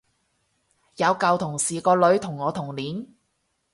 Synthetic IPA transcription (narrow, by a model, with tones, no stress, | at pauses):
jɐ˨˧wkɐ˨˧wt̪ʰʊ˨˩ŋsiː˨˩kɔː˧lɵ˨˧˥ɥt̪ʰʊ˨˩ŋːɔː˨˧t̪ʰʊ˨˩ŋliː˨˥n